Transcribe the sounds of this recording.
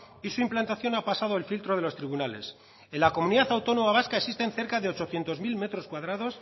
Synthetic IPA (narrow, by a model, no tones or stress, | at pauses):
isuimplant̪aθjo̞napasað̞o̞elfilt̪ɾo̞ðe̞lo̞st̪ɾiβunale̞̰s | e̞nlako̞mũniðaθawt̪o̞nomaβ̞askaeksist̪e̞nθe̞ɾkaðe̞o̞t͡ʃo̞θje̞nt̪o̞zmilme̞t̪ɾo̞skwaðɾaðo̞s